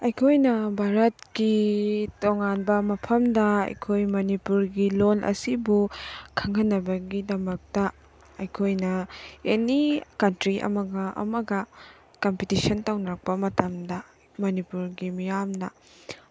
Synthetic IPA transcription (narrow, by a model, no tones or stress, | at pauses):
ɐjkʰojnɐbʱaɾɐt̚kitoŋanbɐmɐpʰɐmdɐɐ̰jkʰojmɐnipuɾɡilolʔɐ̰sibukʰɐŋɐnːɐbɐɡidɐmɐk̚tɐ | ɐjkʰojnɐenikɐntɾiʔɐ̰mɐɡɐʔɐ̰mɐɡɐ | kompitisɐntownak̚pɐmɐtɐmdɐ | mɐnipuɾɡimijamnɐ